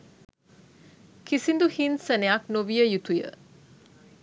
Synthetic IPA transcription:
kisind̪uhinsəneaknoʋijəjut̪ujə̰

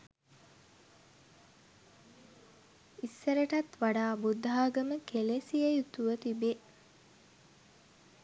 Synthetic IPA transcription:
isːɐɾeʈɐt̪ʋaɖaːbud̪ːɦaːɡəməkelesiejut̪uʋət̪ibe

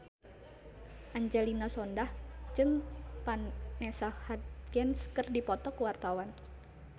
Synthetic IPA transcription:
ʔaɲd͡ʒɛlinasɔndahd͡ʒɨŋpanːɛsahat̪̚ɡɛnskərdipɔt̪ɔkuwart̪awan

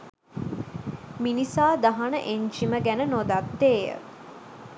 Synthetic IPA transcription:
minisaːd̪aɦanəʔeɲd͡ʒiməɡænənod̪at̪ːeːjə̰

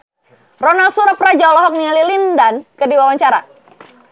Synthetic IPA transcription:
rɔnalsuɾaprad͡ʒalɔɦɔk̚nialilindankədiwawaɲt͡ʃaɾa̰

